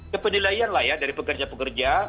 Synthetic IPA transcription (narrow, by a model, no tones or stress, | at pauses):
kəpənilaianlahjadaɾipəkərd͡ʒapəkərd͡ʒa